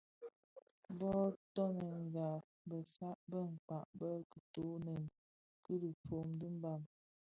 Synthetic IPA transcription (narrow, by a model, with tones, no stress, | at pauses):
bɔ˦tɔ˦nə˨ŋ˨ɡa˨ | bə˨sa˦ʔbə˦˨ŋ̩˨k͡pa˨ʔbə˦kə˨to˨˦nɛ˨n | kə˦də˨fo˨mdi˦m˦ba˦˨m